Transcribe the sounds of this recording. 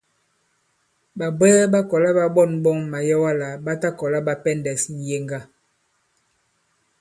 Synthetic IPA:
ɓa˨bɛː˦ɓa˦kɔ˨la˦ɓa˦ɓɔ˦˨nɓɔ˦ŋma˨jɔ˦wa˦la˨ɓa˦ta˦kɔ˨la˦ɓa˨pɛ˦ndɛ˨sn̩˨je˦ŋɡa˦˨

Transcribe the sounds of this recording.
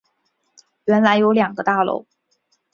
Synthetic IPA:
ɥɛ˧˥nla˧˥ɪjo˧˥ʊljɑ˨˩ŋɡə˦t̪a˥˩lo̰˥˩˦ʊ

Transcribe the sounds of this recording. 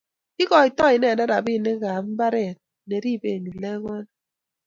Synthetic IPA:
i˦kɔ˨i˨tɔ˦i˨nɛ˦˨da˦da˨bi˦˨ne˦ɣa˨m̩˦ba˦ɾɛ˦˨t̚ne˨ɾi˦˨be˨ɲu˨le˦ŋwɛ˦n

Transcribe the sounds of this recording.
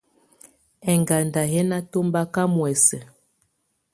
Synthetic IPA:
ɛ˨ŋɡa˨nda˨ɦɛ˦na˦to˦mba˦ka˦mwɛ˨sɛ˨

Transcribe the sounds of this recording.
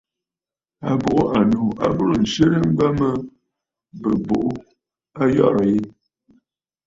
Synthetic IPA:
a˨bo˨ʔʊ˦ʔa˨no˨a̰˦bu˦ɾn̩˨se˦ɾə˦m̩˦ɡ͡ba˦mə˦ | bə˨bo̰˨ʔu˦ | a˦jɔ̰˦˨ɾə˨je˦

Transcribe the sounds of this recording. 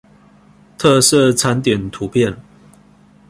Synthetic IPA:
t̪ʰɤ˥˧sɤ˥˨t͡sʰa˧˦nt̪jɛ˨˩nt̪ʰu˨˦pʰjɛ˥˨n

